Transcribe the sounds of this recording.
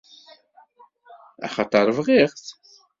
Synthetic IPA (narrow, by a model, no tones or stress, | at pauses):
æ̰χɑt̪ˤɑɾˤvʁiχθ